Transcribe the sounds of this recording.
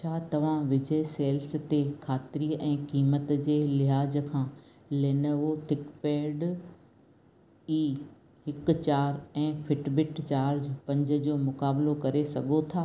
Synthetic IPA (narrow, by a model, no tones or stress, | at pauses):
t͡ɕʰaːt̪ɐʋ̤ãʋɪd͡ʑəeseːlst̪ekʰaːt̪ɪɾiːʔɛ̃ːkiːmət̪d͡ʑeːlɪɦaːd͡ʑəkʰãː | leːnəʋot̪ʰɪkpeːɖ | iː | ɦɪk̆t͡ɕaːɾɛ̃ːfʰɪʈbɪʈt͡ɕaːɾd͡ʑpɐ̃ɲd͡ʑə̆d͡ʑoːmʊkaːblokɐɾesɐɡʱot̪ʰaː